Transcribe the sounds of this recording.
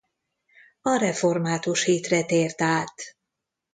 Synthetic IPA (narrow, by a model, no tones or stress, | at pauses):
ɒɾɛfo̞rmaːt̪uʃhiːt̪rɛt̪eːrt̪aːt̪